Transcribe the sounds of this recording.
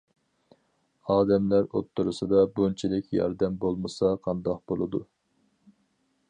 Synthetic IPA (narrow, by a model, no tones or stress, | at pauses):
ɑːd̪ɛmlæɾo̰t̪ʰːuɾusɨd̪ɑbunt͡ʃʰilɪkʲjɑ̰ɾd̪ɛmbolˠmɨsɑqʰɑnd̪ɑq̚bolˠɨd̪u